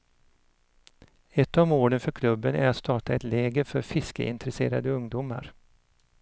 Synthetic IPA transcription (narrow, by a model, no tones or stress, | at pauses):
ɛt̪ːɔmoːɖənfœɾkʰlɵbːənæ̰ɾat̪st̪ʰɑːʈaɛt̪lɛːɡəɾfœɾfɪskə̰ɪ̰nt̪əɾɛsḛːɾa̰d̪əɵŋd̪uma̰ɾ